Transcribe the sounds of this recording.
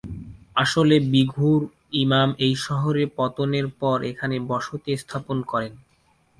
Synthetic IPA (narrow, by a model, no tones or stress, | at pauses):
aʃolebiɡʱuɾ | imamejʃɔɦoɾepɔt̪oneɾpɔɾʔekʰanebɔʃot̪est̪ʰaponkɔɾen